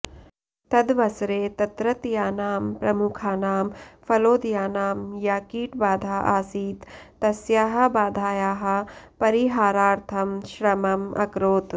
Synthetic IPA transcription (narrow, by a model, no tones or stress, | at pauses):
t̪ɐd̪ʋɐsɾeːt̪ɐt̪ɾɐt̪jaːnaːmpɾɐmukʰaːnaːmfɐloːd̪jaːnaːmjaːkiːʈbaːd̪ʱaːʔaːsiːt̪ːɐsjaːɦɐ̆baːd̪ʱaːjaːɦɐ̆pɐɾiɦaːɾaːɾt̪ʰɐmʃɾɐmɐmʔɐ̰kɾoːt̪